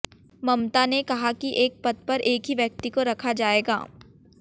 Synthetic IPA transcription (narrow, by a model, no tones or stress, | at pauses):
mɐmt̪anekɐɦakiʔeːk̚pɐt̪̚pɐɾʔeːkɦiʋjɐk̚t̪ikoɾɐkʰad͡ʒaːeːɡa̰ː